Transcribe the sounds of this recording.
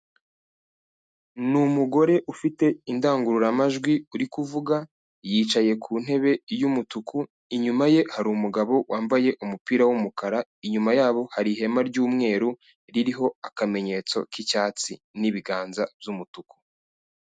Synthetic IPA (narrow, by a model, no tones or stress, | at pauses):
numuɡo̞ɾe̞ʔufite̞indaːŋɡuɾuɾamaʒɡwiuɾikuvuɡa | jiːt͡ʃaje̞kʰuːn̥he̞βe̞jumutuku | iɲumaje̞haɾumuɡaβo̞wʔaːmbaje̞ʔumupiːɾawumukaɾaiɲumajaːβo̞haɾiɦe̞maɾɟuːmŋe̞ːɾu | ɾiɾiɦo̞akame̞ɲe̞t͡so̞̰kicaːt͡sḭ | niβiɡaːnzabjumutuku̥